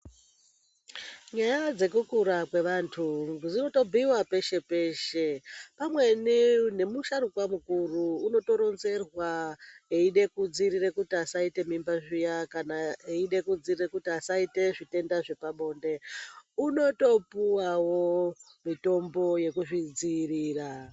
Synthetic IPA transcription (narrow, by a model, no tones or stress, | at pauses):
ɲajad͡ze̞kukuɾakwe̞ʋantʰud͡zino̞to̞bʱiwape̞ʃe̞pe̞ːʃe̞pamwe̞nine̞muʃaɾukwamukuruːno̞to̞ɾo̞nze̞rwaeiɗe̞kud͡ziɾirekutiasaite̞mimbaʐijakanaeiɗe̞kud͡zirirekutiasaite̞ʐite̞ndaʐe̞paɓo̞ːnde̞uno̞to̞puwawo | mito̞mbo̞je̞kuʐid͡ziːriːra